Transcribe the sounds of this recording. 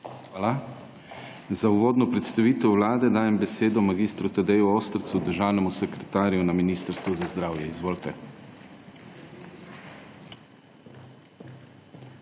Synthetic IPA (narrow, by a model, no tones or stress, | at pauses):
xʋaːla | zauʋoːd̪nɔpɾɛt̪st̪aʋiːt̪ɛwʋlaːd̪ɛd̪aːjɛmbɛseːd̪ɔmaɡiːst̪ɾut̪ad̪ɛjuoːst̪ɾt̪sud̪əɾʒaːwnɛmusɛkɾɛt̪aːɾijunaminiːst̪əɾst̪ʋuzazd̪ɾaːwjɛizʋoːlt̪ɛ